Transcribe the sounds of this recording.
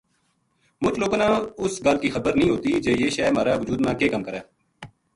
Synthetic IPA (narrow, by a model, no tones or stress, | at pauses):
mʊt͡ʃloːɡnãːʊsɡəlkiːxəbəɾnĩːɦoːt̪iːd͡ʒeːjeːʃɛːmaːɾaːʋʊd͡ʒuːd̪mãːkeːkəmkəɾɛː